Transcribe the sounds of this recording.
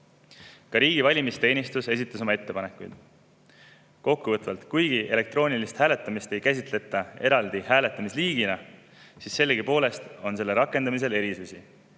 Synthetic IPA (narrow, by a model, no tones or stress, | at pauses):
kɑɾiːɡivɑlʲimist̪e̞ːnʲist̪use̞s̬ʲit̪ːˑɑs̬o̞mɑe̞t̪ːe̞pɑne̞kːˑujd̪̥ | ko̞kːuvɤt̪vɑlt̪kujɡ̥ie̞le̞k̚t̪ro̞ːnʲilist̪hæːle̞t̪ːˑɑmist̪e̞jkæs̬ʲit̪ˑle̞t̪ˑːɑe̞ɾɑld̪̥ihæːle̞t̪ːˑɑmisliːɡ̥inɑ | sisse̞lːeɡipo̞ːle̞st̪o̞nse̞lːe̞ɾɑkːˑe̞nd̪ɑmis̬e̞le̞ɾisusi